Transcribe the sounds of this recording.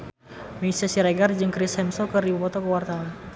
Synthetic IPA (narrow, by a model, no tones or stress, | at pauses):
miisasiɾɛɡard͡ʒɨŋkɾishɛmsɔkəribupɔt̪ɔkəwart̪awan